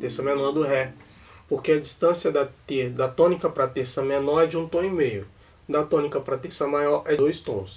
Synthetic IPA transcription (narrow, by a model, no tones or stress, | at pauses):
t̪eɾsɐmẽnɔɾd̪ʊɦɛ | poɾkeɐd͡ʒist̪ɐ̃sjɐd̪ɐt̪ed̪ɐt̪õnikɐpɾɐt̪eɾsɐmenɔɾɛd͡ʒɪũt̪õimejʊ | d̪ɐt̪õnikɐpɾɐt̪eɾsɐmajɔɾɛd̪ojst̪õs